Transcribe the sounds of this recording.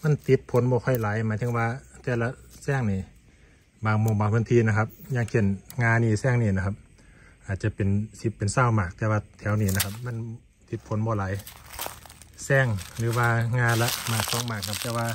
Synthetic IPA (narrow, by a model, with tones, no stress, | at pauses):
ma˧˥˨nt̪i˧˦t̪̚pʰo˨˦nbɔː˧kʰɔ˧˩jlaː˨˦jmaː˨˦jt̪ʰɯ˧˦ŋwaː˧t̪ɛː˧˩la˧sɛː˧˩˨ŋniː˧˩ | baː˧˩ŋmo˧˨ŋbaː˨˧˦ŋkʰɯ˧˥˨nt̪ʰiː˧˨na˧kʰa˧p̚ɲaː˧ŋkʰe˧˩˨nŋaː˧niː˧˨sɛː˧˥˨ŋniː˧˩na˧kʰa˧p̚ | ʔaː˨˩t̪̚t͡ɕa˧pe˨nsi˧˦pːe˨nsaː˧˩˨wmaː˧˩k̚t̪ɛː˧waː˧t̪ʰɛː˨˦wniː˧˨na˧kʰa˧p̚ma˧˥˨n | t̪i˧˦t̪̚pʰo˨˦nbɔː˧˨laː˨˦j | sɛː˧˥˩ŋlɯː˨˦waː˧ŋaː˧la˧ʔmaː˧˩k̚sɔː˨˦ŋmaː˧˩k̚nʰa˧p̚t̪ɛː˧˦ʋaː˧